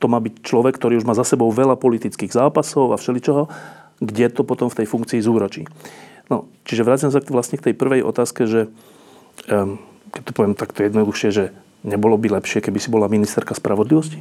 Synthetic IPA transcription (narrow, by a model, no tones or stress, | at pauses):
t̪ɔmaːbict͡ʃlɔʋɛkt̪ɔɾiːuʒmaːzasɛbɔʊʋɛlapɔlit̪it͡skiːɣzaːpasɔʊafʃɛlit͡ʃɔɦɔ | ɡɟɛt̪ɔpɔt̪ɔmft̪ɛjfuŋk̚t͡siːzuːɾɔt͡ʃḭːnɔt͡ʃiʒɛʋɾaːt͡simɛs̬aʋlasɲɛkt̪ɛjpr̩ʋɛjʔɔ̰t̪aːskɛʒɛ | kɛc̚t̪ɔ̥pɔʋɪɛmt̪akt̪ɔjɛd̪nɔd̪uxʃɪɛʒɛ | ɲɛbɔlɔbilɛpʃɪɛkɛbisibɔlaminist̪ɛɾkaspɾʔaʋɔd̪liʋɔsci̥